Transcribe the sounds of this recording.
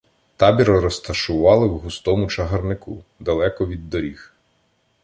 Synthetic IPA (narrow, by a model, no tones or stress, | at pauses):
t̪ɑbʲiɾɔɾɔst̪ɐʃʊʋɑlˠɪwɦʊst̪ɔmʊt͡ʃɐɦɐrnɪkṵd̪ɐlˠɛkɔʋʲid̪ːɔɾʲix